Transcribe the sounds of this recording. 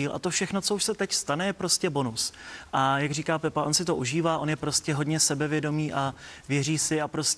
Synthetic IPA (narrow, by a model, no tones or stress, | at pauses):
iːlʔa̰t̪o̞fʃɛxno̞t͡so̞uʃsɛt̪ɛcst̪anɛjɛpɾo̞scɛbo̞nusʔajaɡriːkaːpɛpaʔo̞nsɪt̪oʔuʒiːvaːʔo̞njɛpɾo̞scɛɦo̞dɲɛsɛbɛvjɛdo̞miːʔavjɛriːsɪapɾo̞s